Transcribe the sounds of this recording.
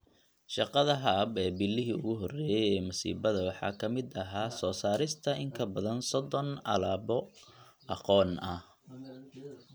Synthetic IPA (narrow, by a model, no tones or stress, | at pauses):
ʃɑqɑðɐɦaːbɛːbɪlːɪɦiːʊɣʊɦɔrɛːjɛjɛːmʊsḭːbɐðɐwɑħɑ̰ːkʰɐmɪd̪ɐɦaːsɔːsaːɾɪst̪ʰɐʔɪŋkʰɐbɐðɐnsɔd̪ɔnɐ̰laːbɔ | ʔɑqɔːnɐh